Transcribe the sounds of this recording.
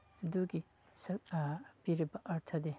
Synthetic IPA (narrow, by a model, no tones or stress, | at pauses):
ɐd̪uɡi | sɐpiɾibɐʔɐɾt̪ʰɐd̪e